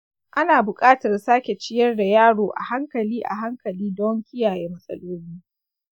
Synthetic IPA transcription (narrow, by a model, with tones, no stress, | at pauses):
ʔa˦naː˨bʊ˨kʼaː˦tɐ˨rsaː˦kʲe˨t͡ʃɪ˦jɐ˦rda˨jaː˦ɽoː˨ʔa̰˨ha˦ŋkɐ˨liː˦ʔa̰˨ɦa˦ŋkɐ˨liː˦dɔ˦ŋkʲɪ˦jaː˨jeː˦mɐ˦sʼɐ̰˦loː˦liː˦